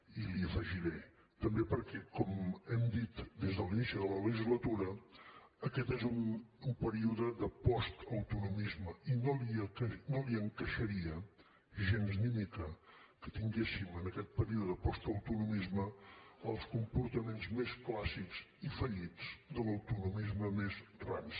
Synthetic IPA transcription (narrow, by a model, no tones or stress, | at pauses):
iliəfəʒiɾɛ | t̪əmbepəɾkɛkɔmɛmd̪it̪d̪ezðəlinisiðələləʒizlət̪uɾə | əkɛt̪ezunumpəɾiuðəðəpɔst̪əwt̪unumizməinoliəknoliəŋkəʃəɾiə | ʒenzmimikəkət̪iŋɡesimənəkɛt̪̚pəɾiuðəðəpɔst̪əwt̪unumizməəlˠskumpuɾt̪əmenzmesklasikz̥ifəʎiz̥d̪ələwt̪unumizməmezrans